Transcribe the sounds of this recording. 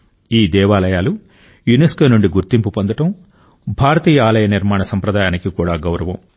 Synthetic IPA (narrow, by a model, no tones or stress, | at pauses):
iːd̪ɛːʋaːlɐjaːlu | juneskoːnuɳɖiɡuɾt̪impupond̪ɐʈɐm | bʱaːɾɐt̪iːjɐaːlɐjɐniɾmaːɳɐsɐmpɾɐd̪aːjaːnikikuːɽaːɡɐwɾɐʋɐm